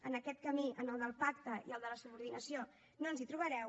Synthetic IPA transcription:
ənəkɛt̪̚kəmiʔənəlˠd̪əlˠpakt̪əiəlˠd̪ələsuβuɾðinəsio | noənzit̪ɾuβ̞əɾɛw

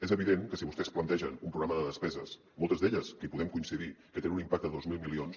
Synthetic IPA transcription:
ezəβiðeŋkəsiβust̪ɛsplənt̪ɛʒə̰numpɾuɣɾaməðəðəspɛzəs | molˠt̪əzðeʎəskəipuðɛmkuinsiðikət̪enunimpak̚t̪əðozmilˠmilions

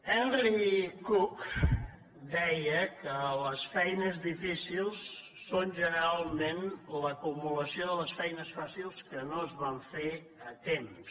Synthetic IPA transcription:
ɛnrikuk | d̪ɛjəkələsfɛjnəzðifisilˠsː | onʒənəɾalˠmenləkumuləsioðələsfɛjnəsfasilˠskənoəzβaɱfe | ət̪ems

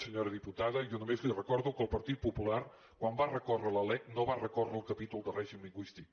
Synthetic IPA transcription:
səɲoɾəðiput̪aðəʒɔnumezlirəkɔɾðukəlˠpəɾt̪it̪̚pupulaɾ | kwambarəkɔrələlɛknoβarəkɔrəlˠkəpit̪ulˠd̪əlrɛʒimliŋɡwist̪ik̚

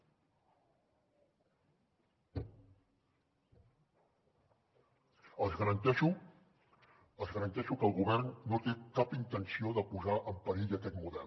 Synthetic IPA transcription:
əzɣəɾənt̪ɛʃu | əzɣəɾənt̪ɛʃukəːlˠɣuβ̞ɛrnːot̪ekapint̪ənsioðəpuzaʔəmpəɾiʎəkɛt̪muðɛlˠ

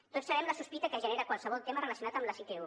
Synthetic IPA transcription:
t̪otsəβɛmləsuspit̪əkəʒəneɾəkwalˠsəβ̞ɔlˠt̪emərələsiunat̪əmləsit̪eu

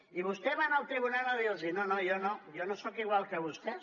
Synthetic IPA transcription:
iβust̪ɛβanəlˠt̪ɾiβunaləðilzinonojonojonosokiɣwalˠkəβust̪ɛ

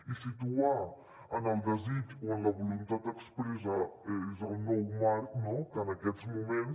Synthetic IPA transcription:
isit̪ua | ɐnalˠd̪ɐzit̪iɐ̃nd̪ɐβulũnt̪at̪̚ɐkspɾizaɛʒaunowmaɾnõwk̪anɐkɛt̪zmumẽnt̪

